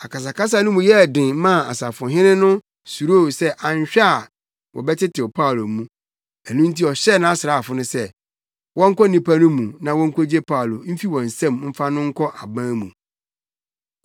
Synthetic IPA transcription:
a˨ka˨s̬a˨kʰa˦s̬a˦nʊ̃˦mũ˨jɛ˦˨dɪ̃˨˦mã˦˨a̰˨sa˨fʊ̃˨ɦɪ̃˦nɪ̃˦nʊ̃˦ | su˨ɾo˦˨sɛ˦ʔa˨ɲ˦ɕᶣa˦˨ | wʔɔ̰˨bɛ˦tɪ˦tʰɪ˨ɔ˨pʰa˦˨lo˨mũ˦ | æ˨nũ˦n̩˦ti˦ɔ˨ɕɛ˦˨nã˦a˦sɪ˨ɾa˦a˨fʊ˦nʊ̃˦sɛ˦˨ | wɔ̃˦ŋ̩˦kʰɔ˦nĩ˨pʰa˦nʊ̃˦mũ˨nã˨wɔ̃˦ŋ̩˦kʰo˦d͡ʑe˦pʰa˦˨lo˨m̩˦fi˦wɔ̃˨n̩˨sɛ̃˦mm̩˦fa˦nʊ̃˦ŋ̩˦kʰɔ˦ʔa˨bã˦mũ˨

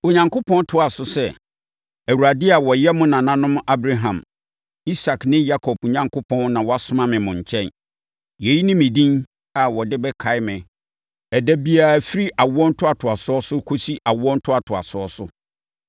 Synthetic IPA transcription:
o˨ɲã˨ŋkʊ˦pʰɔ̃˦n˦tʰʊ˦a˨sʊ˨sɛ˦ | æ˨wu˨ɾa˨dɪ˦a˨wɔ˨jɛ˦mʊ̃˦nã˨nã˦nʊ̃˦m˦a˦bɾa˦ɦã˨m | i˦sa˨knɪ̃˦ja˦kʰɔ˨bo˨ɲã˨ŋkʰʊ˦pʰɔ̃˦nnã˨wɔ˨a˦sʊ˦mã˦mɪ̃˨mʊ̃˨ɲ̩˨t͡ɕʰɛ̃˦n | je˨ji˦nɪ̃˦mɪ̃˨dĩ˦n | a˨wɔ˨dɪ˦bɛ˦kʰa˨ɪ˦mɪ̃˨ | ɛ˨dæ˦bi˦a˨æ˨fi˦ɾi˦ʔa˨wʊ˦ɔ˦n̩˦tʰʊ˦a˨tʰʊ˨a˨sʊ˦ɔ˦sʊ˦kʰo˦si˦ʔa˨wɔ˦n̩˦tʰʊ˦a˨tʰʊ˨a̰˨sʊ˦ɔ˦sʊ˦

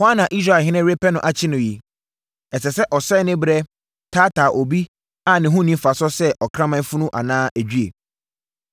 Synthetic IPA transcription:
hʊ˦a˦nã˨ʔi˦s̬ɾa˦˨ɦɪ̃˦nɪ̃˦ɾe˦pɛ˦nʊ̃˨ʔa˨t͡ɕʰɪ˦nʊ̃˨ji˨ | ɛ˨sɛ˨sɛ˦ʔɔ˨sɛ˦˨˦nɪ̃˦bɾɛ˦ | tʰaː˦tʰaː˨ʔɔ˨bi˦ | a˨nɪ̃˨ɦʊ̃˦nĩ˦m˦fa˨sɔ˦sɛ˦ʔɔ˨kʰɾã˦mã˦fʊ˦nʊ̃˦ʔa̰˨nãː˦ʔæ˨d͡ʑᶣy˦e˨

